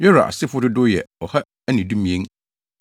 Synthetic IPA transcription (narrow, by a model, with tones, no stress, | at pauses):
jɛ˦ɾa̰˨ʔa̰˨sɪ˦fʊ˦dʊ˦dʊ˦jɛ̰˨ɔ˨ha˦ | æ˦nĩ˨dũ˦mĩ˨ẽ˦ŋ